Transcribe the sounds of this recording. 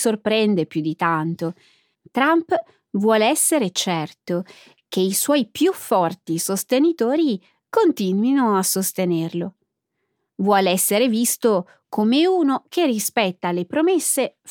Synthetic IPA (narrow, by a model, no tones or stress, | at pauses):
sorpɾɛnd̪epjud̪it̪ant̪o | t̪ɾamp | vwɔːleɛsːeɾet͡ʃɛrt̪o | k̟eiswɔjpjufːɔrt̪isost̪enit̪oːɾi | kont̪inwinoasost̪enerlo | vwɔːleɛsːeɾevist̪o | kʰomeuːnokerːispɛt̪ːalepɾomesːe